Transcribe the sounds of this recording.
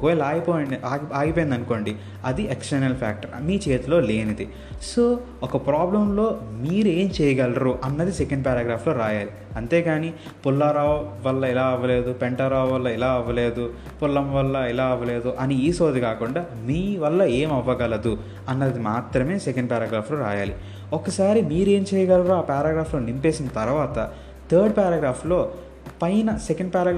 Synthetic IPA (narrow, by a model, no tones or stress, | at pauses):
koːjlaːjipoːjɐnaːɡiaːɡipoːjind̪ɐnuko̞ːɳɖi | ɐd̪ieksʈɐɾnɐlpʰaːk̚ʈɐɾmiːt͡ʃeːt̪lo̞ːle̞ːnid̪i | soː | ɔkɐpɾaːblɐmlo̞ːmiːɾue̞ːmt͡ʃɛːjɐɡɐlɾuʔɐnːɐd̪isekɐɳɖpaːɾaːɡɾaːpʰloːɾaːjaːli | ɐnt̪eːɡaːni | pulːɐɾaːʋʋɐlːɐilaːɐʋːɐle̞ːd̪upeɳʈɐɾaːʋɐlːɐilaːɐʋːɐleːd̪u | pulːɐmʋɐlːɐilaːɐʋɐle̞ːd̪uʔɐniiːsoːd̪ikaːkuɳɖaː | miːʋɐlːɐe̞ːmɐʋːɐɡɐlɐd̪u | ɐnːɐd̪imaːt̪ɾɐme̞ːsekɐɳɖpaːɾɐːɡɾaːpʰloːɾa̰ːjaːlḭ | okɐsaːɾimiːɾe̞ːmt͡ʃɛːjɐɡɐlɾoaːpaːɾaːɡɾaːplo̞ːnimpe̞ːsinːɐt̪ɐɾuʋaːt̪ɐ | t̪ʰɐːɾɖ̚paːɾɐːɡɾaːpʰlo̞ː | pɐjnɐsekɐɳɖ̚paːɾɐː